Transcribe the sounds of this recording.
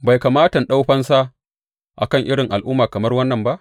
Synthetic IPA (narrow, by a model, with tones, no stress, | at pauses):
ba˨jka˨maː˦tɐ˨nɗa˦wɸɐ˦nsa˦ | ʔa̰˨kɐ˦˨ŋʔɪ˦ɽɪ˨ŋʔa˨lʔʊ˦mːaː˨kɐ˨mɐ˦rwɐ˦nːɐ˨mba˦ʔ